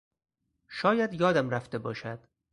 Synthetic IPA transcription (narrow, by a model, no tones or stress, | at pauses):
ʃɒːjæd̪jɒːd̪æmɾæft̪e̞bɒːʃæd̪̥